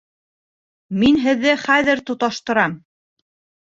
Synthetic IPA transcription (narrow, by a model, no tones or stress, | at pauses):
minɦɘ̆ðːɘχæðɘɾt̪ŏt̪ɑʃt̪ɤ̆ɾɑm